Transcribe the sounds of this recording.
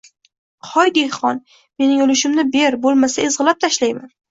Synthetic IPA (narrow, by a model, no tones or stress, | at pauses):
χɒjd̪ehχɒn | me̞nɪŋʊlɪʃɪmnɪbe̞ɾbolˠmasaezʁɨlˠap̚t̪ʰaʃlajman